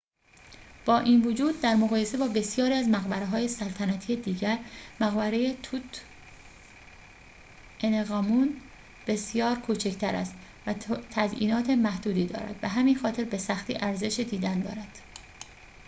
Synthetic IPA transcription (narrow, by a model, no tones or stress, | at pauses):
b̥ɒːʔiːnvod͡ʒuːd̪̚ːæɾmoɣɒːje̞se̞bɒːbe̞sjɒːɾiːæzmæɣbæɾeɦɒːje̞sælt̪ʰænæt̪ʰiːed̪iːɟæɾmæɣbæɾejet̪ʰut̪ | eneɣɒːmun | b̥e̞sjɒːɾkʰuːt͡ʃʰe̞cʰt̪ʰæɾæ̰st̪ | væt̪ʰæzʔḭːnɒːt̪ʰe̞mæhd̪uːd̪iːd̪ɒ̰ːɾæ̰d̪̥bæɦæmiːnxɒːt̪ʰe̞ɾbe̞sæxt̪ḭːʔæɾze̞ʃed̪iːd̪ænd̪ɒ̰ːɾæd̪̥